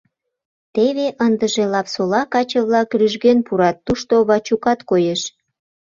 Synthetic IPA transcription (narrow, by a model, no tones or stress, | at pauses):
t̪eβeʔənd̪əʒelɑpsolɑkɑt͡ɕəβlɑkryʒɣenpuɾɑt̪ːuʃt̪oβɑt͡ɕukɑt̪kojeʃ